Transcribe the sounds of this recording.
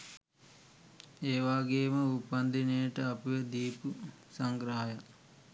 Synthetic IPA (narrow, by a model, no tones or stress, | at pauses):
eːʋaːɡeːməupːɐnd̪inejəʈəɐpuʋed̪iːpu | sɐŋɡɾɐɦaja